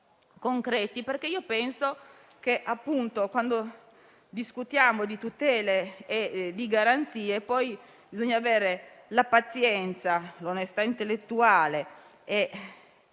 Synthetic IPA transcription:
koŋkɾɛːt̪iperk̟eiːopɛnso | keʔapːunt̪okwand̪o | d̪iskut̪jaːmod̪it̪ut̪ɛːleː | d̪iɡaɾant̪siːepɔj | bizoɲːaːvɛːɾelapat̪sjɛnt̪salonest̪aint̪elːet̪ːuaːle | e

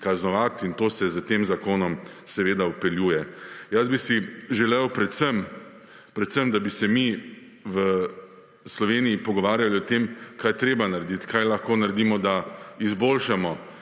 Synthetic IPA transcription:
kaznɔʋat̪int̪oːsɛzət̪eːmzakoːnɔm | sɛʋeːd̪aɔpɛljuːjɛjazbisiʒɛlɛwpɾɛt̪səm | pɾɛt̪səmd̪abisɛmi | ʋə | slɔʋeːnijipɔɡɔʋaːɾjaliɔt̪eːmkaːjt̪ɾeːbanaɾed̪it̪kajlaxkoːnaɾed̪imɔd̪aizboːlʃamɔ

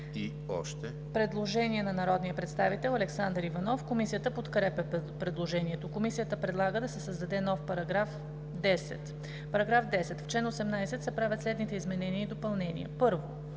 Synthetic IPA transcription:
i | ɔ̰ʃt̪ɛ | pɾɛd̪lˠoʒɛniɛnɐnɐɾɔd̪nijəpɾɛt̪st̪avit̪ɛlˠɐlɛksand̪ɾivɐnɔfkomisijət̪əpot̪kɾɛpɛpɾɛd̪lˠoʒɛniɛt̪okomisijət̪əpɾɛd̪lˠaɡəd̪ɐsɛsəzd̪ɐd̪ɛnɔfpɐɾɐɡɾaf | d̪ɛsɛ̰t̪ | pɐɾɐɡɾafd̪ɛsɛt̪ft͡ʃlɛnosɛmnajsɛt̪sɛpɾavʲət̪slɛd̪nit̪ɛizmɛnɛniəid̪opɐlˠnɛnḭə̰pɤɾvo

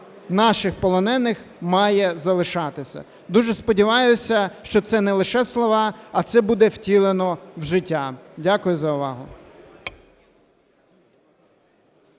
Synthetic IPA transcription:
nɑʃɪxpɔlˠɔnɛnɪxmɑjɛzɐlˠɪʃɑt̪ɪsʲɐ̰ | d̪uʒɛspɔdʲiʋɑjʊsʲɐʃt͡ʃɔt̪sɛnɛlˠɪʃɛslˠɔʋɑɐt̪sɛbud̪ɛwtʲilˠenɔwʒɪtʲːadʲakʊjʊzɐʊʋɑɦʊ

